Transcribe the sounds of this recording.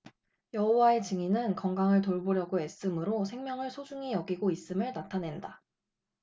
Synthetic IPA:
jʌɦowae̞t͡ɕɯŋinɯnkʌŋɡaŋɯɭt̬oɭboɾjʌɡoe̞s͈ɯmɯɾosʰe̞ŋmjʌŋɯɭsʰod͡ʑuŋijʌɡiɡois͈ɯmɯɭnatʰane̞nda

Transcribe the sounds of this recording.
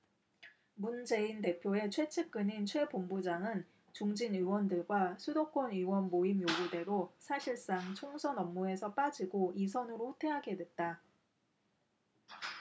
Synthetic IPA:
mund͡ʑe̞inde̞pʰjoe̞t͡ɕʰwe̞t͡ɕʰep̚k͈ɯnint͡ɕʰwe̞bombud͡ʑaŋɯn | t͡ɕuŋd͡ʑiniwʌndɯɭɡwasʰudok͈ʰoniwʌnmoimjoɡude̞ɾosʰaɕʰiɭs͈aŋt͡ɕʰoŋsʰʌnʌmːue̞sʰʌp͈ad͡ʑiɡoisʰʌnɯɾoutʰe̞ɦaɡe̞dwe̞t̚t͈a

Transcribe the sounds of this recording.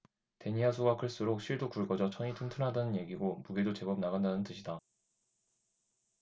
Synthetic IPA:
te̞ɲiasʰuɡakʰɯɭs͈uɾok̚ɕ͈ʰiɭdokuɭɡʌd͡ʑʌt͡ɕʰʌŋitʰɯntʰɯnɦadanɯnje̞ɡiɡomuɡedot͡ɕe̞bʌb̚naɣandanɯntɯɕʰida

